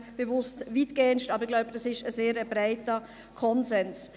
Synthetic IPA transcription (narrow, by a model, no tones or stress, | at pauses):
b̥evʊstviːtɡ̥eːənʃtɑːbɾɪɡlaʊbəd̥ɑsɪʃəzeːɾəbɾaɪtə | kʰɔnzɛns